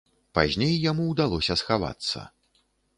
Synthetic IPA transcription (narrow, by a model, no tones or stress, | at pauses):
pa̰zʲnʲejːamuːd̪alˠɔsʲɐsxava̰t̪sːɐ̰